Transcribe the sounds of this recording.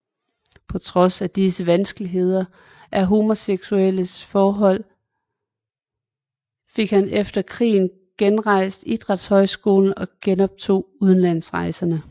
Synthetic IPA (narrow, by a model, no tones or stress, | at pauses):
pʰɒ̽t͡sʰʁɒ̽sæd̥isəʋænsɡ̥əliɦe̝ð̞ˠɐ | ʔæɐɦo̝ːmo̝seɡ̥suel̰əsfɒːɦɒ̽l̰ | fe̝ɡ̥hænefd̥ɐkʰʁḭːn̩ | ɡ̥enʁɑ̈ɪ̰sd̥id̥ʁɑd̥shɒ̽ɪsɡ̥o̝ːln̩ɒ̽ɡ̥enɒ̽b̥̚t͡sʰo̝̰ːuð̞ˠn̩læn̰sʁɑ̈ɪsɐnə